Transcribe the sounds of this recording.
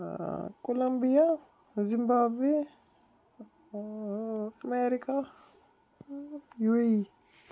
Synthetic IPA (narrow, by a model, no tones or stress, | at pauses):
kolɐmbija | zimbaːbwe | əmeɾika | jui